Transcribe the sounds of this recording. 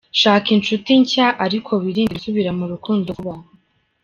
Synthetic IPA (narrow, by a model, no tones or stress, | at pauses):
ʃaːkint͡ʃutiɲcaʔaɾikʰo̞βiɾiːndisuβiɾamuɾukuːndoβa